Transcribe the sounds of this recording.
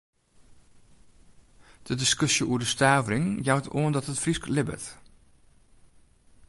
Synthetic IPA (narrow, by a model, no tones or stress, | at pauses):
d̥ədɪskɵsjəʔuəɹdəstaːvərɪŋjawtʰoəndɔtətfrisklɪbə̰t